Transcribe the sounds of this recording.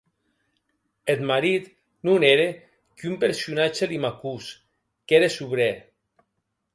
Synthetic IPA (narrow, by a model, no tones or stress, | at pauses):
et̪maɾit̪ | nuneɾe | kumpeɾsunat͡ʃelimakus | keɾesuβɾe